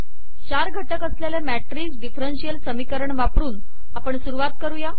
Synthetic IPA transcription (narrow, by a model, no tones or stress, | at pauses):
ɕaɾɡʱəʈəkəsljalemæʈɾiːsɖifɾənsijəlsəmikəɾəɳʋapɽuːn | apəɳsuɾuʋat̪̚kəɾuja